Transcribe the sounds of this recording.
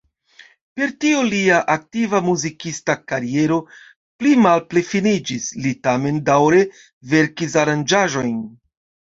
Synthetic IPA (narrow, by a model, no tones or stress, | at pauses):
pe̞ɾtioliaʔak̚tivamuzikistakaɾie̞ɾo̞ | plimalplefinid͡ʒislitame̞ndawɾe̞ | ve̞ɾkisaɾand͡ʒaʒo̞jn